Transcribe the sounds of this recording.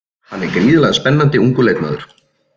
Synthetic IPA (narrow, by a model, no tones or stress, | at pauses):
hanːɛɾkɾiːðɪlaɣðaspɛnːant̪ɪuŋkʏleːjt̪na̰ːðʏɾ̥